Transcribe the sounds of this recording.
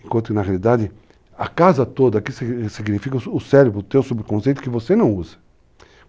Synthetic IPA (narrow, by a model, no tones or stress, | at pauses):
ẽŋkõnt̪ʊkɪnɐɦealid̪ad̪ɪ | ɐkazɐt̪od̪ɐakissiɡnifikɐʊsɛɾebɾʊt̪ewsobɾɪkõsejt̪ʊ̥kɪvosenɐ̃w̃uzɐ̥